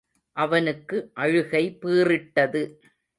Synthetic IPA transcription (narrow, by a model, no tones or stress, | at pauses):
ʔɐʋɐnɯkːɯʔɐɻɯɣɐɪpiːrɪʈːɐðɯ